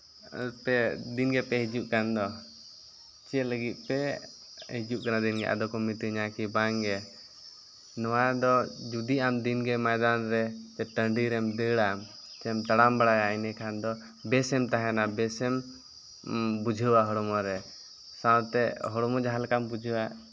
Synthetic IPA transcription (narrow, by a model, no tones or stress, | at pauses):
pɛd̪inɡɛpɛɦid͡ʒuʔkand̪ɔ | t͡ʃɛləɡit̪̚pɛ | hid͡ʒuʔkanad̪inɡɛʔa̰d̪ɔkɔmit̪iɲakibaŋɡɛ | nɔwad̪ɔd͡ʒud̪iʔamd̪inɡɛmajd̪anɾɛt͡ʃɛʈəɳɖiɾɛmd̪əɽam | t͡ʃɛmt̪aɽambaɽajaajnɛkʰand̪ɔ | bɛsɛmt̪aɦɛnabɛsɛm | bud͡ʒʱəwaɦɔɽɔmɔɾɛ | sawt̪ɛɦɔɽɔmɔd͡ʒaɦalkambud͡ʒʱwaʔ